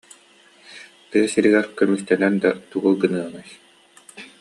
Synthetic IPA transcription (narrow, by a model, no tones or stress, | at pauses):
t̪ɯɐsiɾiɡɛɾkœmykt̪ɛnɛnd̪at̪uɡɯlˠɡɯnɯɐnaj